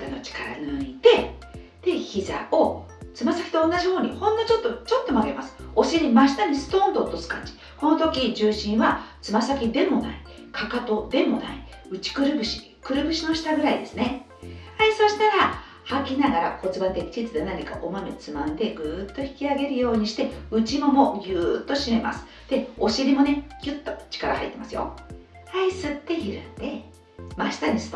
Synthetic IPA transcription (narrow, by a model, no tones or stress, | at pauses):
t̪anot͡ɕi̥kaɾa̰nɯit̪e̞ | d̪̥e̞çiza̰o̞ | t͡sɨmasakʲi̥t̪õ̞ːnːaʑiho̞ːɲ̟ihõ̞nd̪ot͡ɕo̞t̪ːo̞t͡ɕo̞t̪ːo̞maɡe̞masɨ̥o̞ɕeimaɕi̥t̪aɲ̟isɨ̥t̪õːnd̪ot̪ːo̞sɨ̥kãɲd͡ʑi̥ | ko̞no̞t̪o̞kʲid͡ʑɨːɕĩɰ̃βat͡sɨmasakʲid̪e̞mo̞na̰i | kʰakat̪o̞d̪e̞mo̞na̰i | ɯ̟t͡ɕi̥kɯ̟ɾɯ̟bɯ̟ɕi̥ | kɯ̟ɾɯ̟bɯ̟ɕino̞ɕi̥t̪aɡɯ̟ɾaid̪e̞sɨne | aiso̞ɕi̥t̪aɾa | hakʲinaɡaɾa̰ko̞t͡sɨbat̪ekʲi̥t͡ɕit͡sɨd̪enaɲika̰ʔo̞mamet͡sɨmãnd̪e̞ɡɯ̟ːt̪ːo̞çi̥kʲiaɡe̞ɾɯ̟jo̞ːɲ̟iɕi̥t̪e̞ɯ̟t͡ɕimo̞mo̞jɯːt̪ːo̞ɕime̞mʔa̰sɨ̥ | d̪̥e̞o̞ɕiɾʲimo̞ne̞kʲɯt̪ːot͡ɕi̥kaɾa̰ha̰it̪ːemasɨjo̞̰ | aisɨt̪ːe̞çiɾɯnd̪̥e̞ | maɕi̥t̪aɲ̟isɨ̥t̪